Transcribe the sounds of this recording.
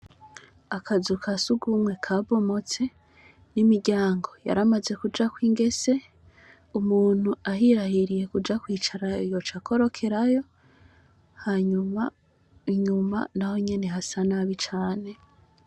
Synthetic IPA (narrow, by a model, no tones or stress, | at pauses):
akʰazukʰasuɡumŋe̞kʰaβo̞mo̞t͡se̞ | nimiɾɟaːŋɡo̞ja̰ɾamaze̞kud͡ʒakwiːŋɡe̞se̞ | umuːn̥huaɦiɾahiɾije̞kud͡ʒakwiːt͡ʃaɾaijo̞t͡ʃakʰo̞ɾo̞kʰe̞ɾajo̞ | haɲuma | iɲuma̰naho̞ɲe̞ne̞ɦasanaβit͡ʃaːne̞